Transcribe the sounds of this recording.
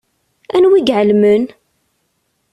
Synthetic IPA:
ænwiɡʕəlmən

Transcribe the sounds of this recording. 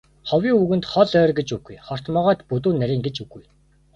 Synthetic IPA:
χɔwiːŋuɣɘ̆nt̪χɔɮœːrɡet͡ɕuɡujχɔr̥t̪mɔːʁaːt̪put̪uːnːæɾʲiːŋɡet͡ɕuɡuj

